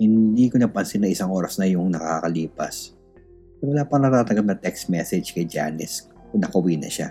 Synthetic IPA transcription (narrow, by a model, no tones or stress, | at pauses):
hɪnd̪iːkonɐpɐnsɪnːɐŋʔɪsaŋʔo̞ːɾɐsnɐjʊŋnɐkakɐliːpɐ̰s | ɛwɐlaːpɐŋnɐt̪aːt̪ɐɡɐb̚nɐt̪ɛkst̪mɛsɛd͡ʒkɐjd͡ʒa̰ːnɪs | kʊnɐkʊwinɐ̰ʃa̰